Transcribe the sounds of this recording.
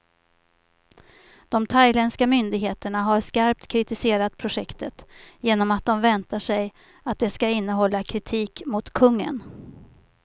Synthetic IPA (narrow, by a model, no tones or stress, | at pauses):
d̪̥ɔmt̪ʰajlɛnskamʏnd̪ɪɡɦeːt̪əɳaɦaɾskaɾp̚t̪kʰɾɪt̪ɪseːɾat̪̚pʰɾʊʂɛkt̪ət̪jeːnɔmat̪̚d̪ɔmvɛnt̪aʂɛj | at̪̚d̪ɛskaɪnːəɦɔlːakʰɾɪt̪ʰiːkmʊt̪kʰɵŋːə̰n